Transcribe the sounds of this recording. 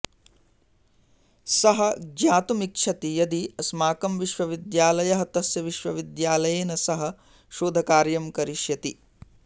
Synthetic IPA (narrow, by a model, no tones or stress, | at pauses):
sɐɦɐ̆ɡjaːt̪umikʂʰɐt̪ijɐd̪iɐsmaːkɐmʋiʃʋɐʋid̪jaːlɐjɐɦɐt̪ɐsjɐʋiʃʋɐʋid̪jaːlɐjeːnɐsɐɦɐ̆ | ʃoːd̪ʱɐkaːɾjɐmkɐɾiʃjɐt̪i